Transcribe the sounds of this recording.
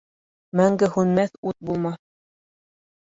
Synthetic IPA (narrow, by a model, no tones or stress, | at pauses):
mæŋɡɘhʉnmæθut̪̚bulˠmɑθ